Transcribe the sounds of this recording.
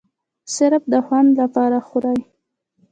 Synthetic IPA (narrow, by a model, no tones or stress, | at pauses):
sɪɾab̚d̪əxwand̪lapɑɾaxʊɾɑj